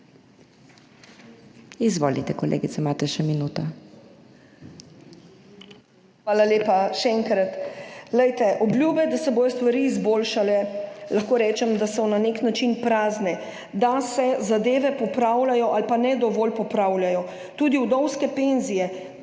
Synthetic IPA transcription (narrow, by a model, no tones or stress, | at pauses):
izʋoːlḭt̪ɛkɔlḛːɡit̪sɛmaːt̪ɛʃɛminuːt̪ɔ | xʋaːlaleːpaʃɛɛŋkɾat̪lɛjt̪ɛʔɔblʲjuːbɛd̪asɛboːjɔst̪ʋaɾiːzboːlʃalɛlaxkoːɾɛːt͡ʃɛmd̪asɔnaneknat͡ʃinpɾaːznɛ | d̪asɛzad̪eːʋɛpɔpɾawlajɔʔalpanɛd̪ɔʋɔːlpɔpɾaːwljajɔ | t̪uːd̪iuwd̪ɔwskɛpenzijɛ